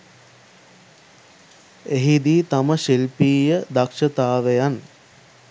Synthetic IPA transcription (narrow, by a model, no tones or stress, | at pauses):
eɦid̪iːt̪aməʃilpiːjəd̪akʂət̪aːʋejan